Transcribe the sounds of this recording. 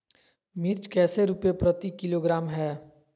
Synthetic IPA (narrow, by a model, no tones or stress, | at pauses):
mɪɾt͡ʃkɛːseɾupjepɾət̪ikɪloɡɾaːmɦɛː